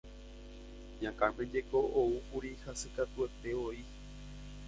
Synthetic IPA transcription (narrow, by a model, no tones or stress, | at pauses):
ɲãkãmẽ̞d͡ʒe̞kooukuɾihasɨkat̪ue̞t̪e̞oi